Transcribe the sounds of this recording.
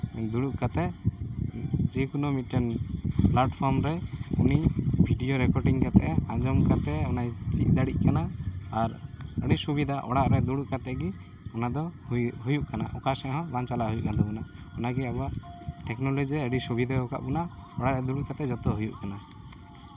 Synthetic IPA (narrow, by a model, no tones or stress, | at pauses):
d̪uɽuʔkat̪ɛ | d͡ʒɛkunɔmit̪̚ʈɛnplaʈpʰɔɾmɾɛunibʱiɖijoɾɛkɔɾʈiŋkat̪ɛʔɛãd͡ʒɔmkat̪ɛɔnajt͡ʃit̪̚ˀd̪aɽic̚ˀkanaːɾəɖisubid̪aʔɔ̰ɽaʔɾɛd̪uɽuʔkat̪ɛɡi | ɔnad̪ɔɦujuʔkana̰ʔɔkasɛɦɔ̃bant͡ʃalaʔɦujuʔkand̪ɔbɔnaɔnaɡɛabɔwaʔʈɛknɔlɔd͡ʒiɾɛəɖisubid̪aɔka̰ʔbɔnaɔɽaʔɾɛd̪uɽuʔkat̪ɛd͡ʒɔt̪ɔɦujṵʔkana